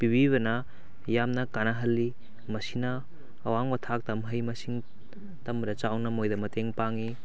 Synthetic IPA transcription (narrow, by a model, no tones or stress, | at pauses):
pibiβɐnɐ | jamnɐkanaɦɐlːi | mɐsinɐː | waŋbɐtʰak̚tɐmɦɐjmɐsiŋ | tɐmbɐdɐt͡ʃawnɐmojdɐmɐteŋpaŋi